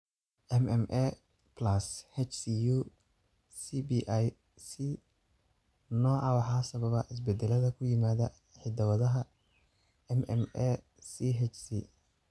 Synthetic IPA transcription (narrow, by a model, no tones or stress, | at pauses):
ʔɛmɛmʔɛ | plɐshɛt͡ʃsiju | sibiʔaj | si | nɔːʕɑwɑħɑːsɐβɐβɐʔɪs̬bɛd̪ɛlɐðɐkʰʊjɪmaːðɐ | ħɪd̪ɐwɐðɐɦɐ | ɛmɛ̰mɛ | siɦɛt͡ʃsḭ